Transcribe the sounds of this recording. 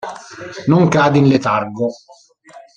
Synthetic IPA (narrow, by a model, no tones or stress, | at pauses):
nʊŋkaːd̪inlet̪arɡo